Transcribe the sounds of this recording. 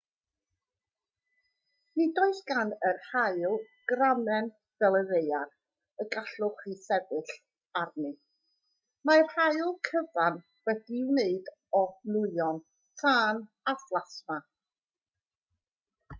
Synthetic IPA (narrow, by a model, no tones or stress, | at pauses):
nidɔɨθɡanərhaɨlˠ | ɡ̥ramɛn | v̥ɛlˠəvejar | əɡaɬʊχisɛvɨɬ | arnɨ | maɛrhaɨlˠkʰəvan | wɛdiɪwneɨd | ɔnʊɨɔn | tʰaːn | arvlˠasma